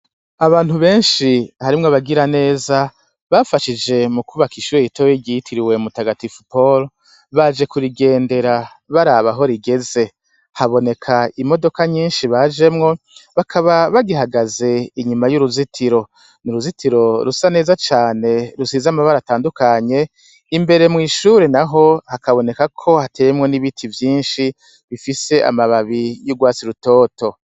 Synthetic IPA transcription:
aβaːn̥huβe̞ːnʃihaɾimŋaβaɡiɾane̞ːza | βafaʃid͡ʒe̞mukuβakiʃweitoweɟitʰiɾiwe̞mutaɡatifupol | βad͡ʒe̞kuɾiɡe̞ːnde̞ɾa | βaɾaβaɦo̞ɾiɡe̞ze̞ | haβo̞ne̞kʰaimo̞do̞kaɲiːnʃiβad͡ʒe̞mŋo̞ | βakʰaβaβaɡiɦaɡaze̞iɲumajuɾuzitʰiɾo̞ | nuɾuzitʰiɾo̞ɾusane̞ːzat͡ʃaːne̞ɾusizamaβaɾataːndukaɲe̞ | imbe̞ɾe̞mŋiːʃuːɾenaɦo̞hakaβo̞ne̞kakʰo̞hate̞ːjemŋo̞niβitʰivjiːnʃi | βifise̞ʔa̰maβaβijuɡwaːt͡siɾuto̞ːto̞

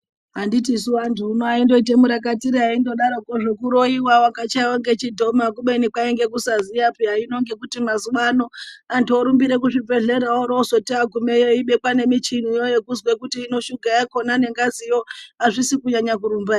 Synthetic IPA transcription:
ɦanditisuantʰuːnoaindo̞it̬emuɾakatiɾiɦaindo̞ɗaɾokoʐekuɾo̞iwawakat͡ʃaiwoŋɡe̞t͡ʃidʱo̞makuɓe̞nikwaeŋɡe̞kusazijapiɦaino̞ŋɡe̞kutimazuʋano̞antuoɾumbiɾe̞k̬uʐib͡ve̞ɮe̞ɾaoɾoso̞tiaɡʱumejoiɓe̞kwane̞mit͡ʃinijojekuzwekutiːno̞ʃuɡʱajako̞nane̞ŋɡazijoaʐisikuɲaɲak̬uɾumbaː

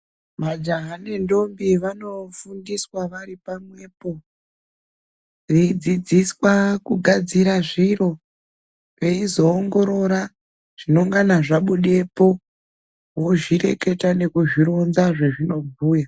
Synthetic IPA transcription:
mad͡ʒaɦane̞ndo̞mbiʋano̞fundiswaʋaɾipamwe̞po̞ | riid͡zid͡ziswakuɡʱad͡ziɾaʐiɾo̞ | ʋe̞izo̞ːŋɡo̞ɾo̞ɾa | ʐ̥ino̞ŋɡanaʐaɓuɗe̞po̞ | wo̞ʐiɾe̞ke̞tane̞kuʐiɾo̞nzaʐe̞ʐino̞bʱuːja

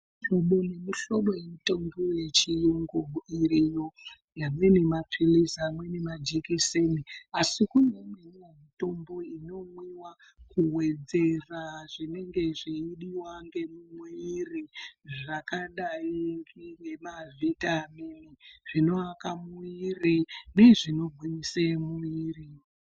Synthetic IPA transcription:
oɓonemuɬo̞ɗo̞jemutomboje̞t͡ʃijoŋɡoiɾijo | jamwe̞nemapʰilisamwe̞nemad͡ʒikiseniasikunemenijemito̞mbo̞ino̞mwiwa | kuwe̞d͡ze̞raʐine̞ŋɡe̞ʐiiɗiwaŋɡe̞mumweiriʐakaɗaiŋɡiŋɡemavʱitaminiʐ̥ino̞akamuirine̞ʐino̞bʱiisemuiːri

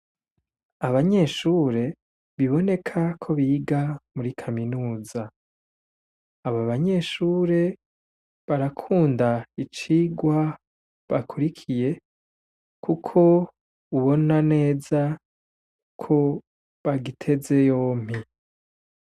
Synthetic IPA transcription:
aβaɲe̞ʃuːɾe̞ | βiβo̞ne̞kʰakʰo̞βiːɡamuɾikʰaminuːza | βaβaɲe̞ʃuːɾe̞ | βaɾakʰuːndait͡ʃiːɡwa | βakʰuɾikʰije̞ | kʰukʰo̞ | uβo̞nane̞ːza | kʰo̞ | βaɡitʰe̞ze̞jo̞ːm̥i

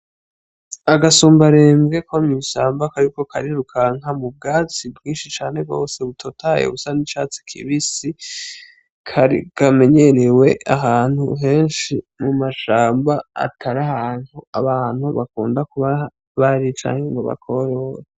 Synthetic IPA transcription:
aɡasuːmbaɾeːmɡe̞kʰomiʃaːmbakaɾiko̞kʰaɾiɾukʰaŋɦamub̚ɡaːt͡sibɡĩːnʃit͡ʃaːne̞ɡo̞̰ːse̞βutʰotʰajḛβusanit͡ʃaːt͡si̥kʰḭβisi | kʰaikame̞ɲe̞ɾewe̞aɦaːn̥hṵɦe̞ːnʃimumaʃaːmba̰ːtʰaɾahaːnhua̰βaːn̥huβakuːndakuβa | βaɾit͡ʃa̰ːɲeŋɡo̞βa̰kʰo̞ɾoɾa

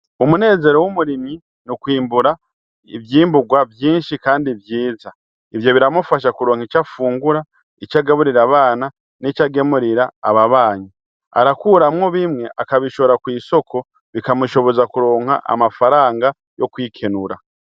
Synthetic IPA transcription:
umune̞ːze̞ɾo̞wumuɾimi | nukwiːmbuɾa | ḭvjiːmbuɡwavjiːnʃikaːndivjiːza | ivjo̞βiɾamufaʃ̬akuɾoːŋ̥it͡ʃafuːŋɡuɾa | it͡ʃaɡaβuɾiɾaβaːna | nit͡ʃaɡe̞muɾiɾa̰ːβaβaːɲi | a̰ɾakuːɾamŋo̞βimŋe̞ʔakaβiʃoβɾakwiːso̞kʰo̞ | βikamuʃo̞βo̞zakuɾo̞ːŋ̥ha̰ʔa̰mafaɾaːŋɡa | jo̞kwiːkʰe̞nuɾa

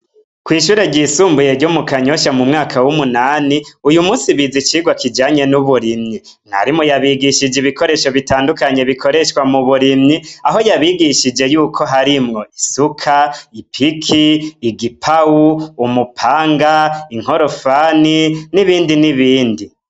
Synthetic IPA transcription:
kwiːʃuːɾe̞ɾɟiːsuːmbuje̞ɾɟomukaɲo̞ʃamumŋaːkʰawumunaːniujumuːsiβizit͡ʃiːɡwakʰid͡ʒaːɲe̞nuβuɾimɲi | n̥a̰ɾimŋojaβiɡiʃid͡ʒiβiko̞ɾe̞ʃo̞βitaːndukaɲe̞βikʰo̞ɾe̞ʃkwamuβuɾimɲiaɦo̞jaβiɡiʃid͡ʒe̞juːkʰo̞ɦaɾimŋo̞ʔisukʰaipʰikʰiːɡipʰauːmupʰaːŋɡaiŋ̥ho̞ɾo̞faniniβiːndiniβiːndi

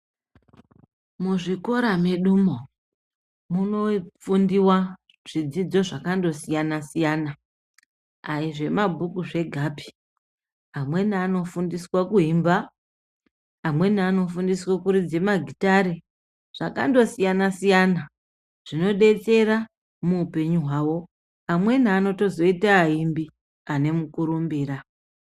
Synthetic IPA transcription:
muʐiko̞ɾameɗuːmo | muno̞p͡fundiwa | ʐ̥id͡zid͡zo̞ʐakando̞sijanasijaːna | aiʐe̞mabʱukuʐe̞ɡʱaːpi̥ | amwe̞naːno̞fundiswakuɦimba | amwe̞nːno̞fundiswakuɾid͡ze̞maɡʱitaɾe | ʐ̥aka̰ndo̞sijanasijana | ʐ̥ino̞ɗe̞t͡se̞ɾa | muːpe̞ɲuɦwaːwo̞ | amwe̞naːno̞to̞zo̞itaːɦimbi | ane̞mukuɾumbiːra

